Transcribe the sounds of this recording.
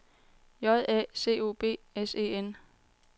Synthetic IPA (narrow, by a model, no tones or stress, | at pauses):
jɒ̽ðˠɛ̰ːse̝̰ːo̝̰ːb̥e̝̰ːese̝̰en